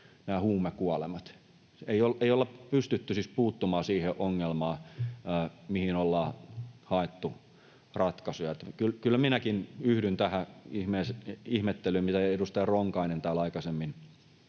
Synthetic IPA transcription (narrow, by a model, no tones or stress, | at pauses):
næːhuːmekuɑlemɑt̪ | eioleijolːɑppyst̪yt̪ːysispuːt̪ːumɑːsiːheʔoŋːelmɑː | mihinolːɑːhɑet̪ːu | rɑt̪kɑsujɑet̪ːkylkylːæminækinyhdynt̪æhæihmeːsihmet̪ːelymmit̪æedust̪ɑjɑroŋkɑinent̪æːlɑikɑsemːin